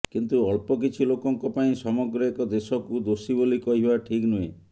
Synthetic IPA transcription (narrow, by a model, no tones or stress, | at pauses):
kint̪uɔɭpɔk̬it͡ʃʰilokɔŋkɔpaĩsɔmɔɡɾɔekɔd̪esɔkud̪osibolikɔɦibaʈʰiknue